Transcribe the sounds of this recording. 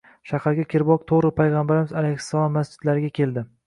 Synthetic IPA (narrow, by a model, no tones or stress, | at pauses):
ʃahaɾɡʲakʲeɾbɒq̚t̪ʰoʁɾɪpʰajʁɑmbaɾɪmɪzalejhɪ̥sːalˠɒmːasd͡ʒɪd̪̥laɾɪɡʲakʲʰe̞ld̪ɪ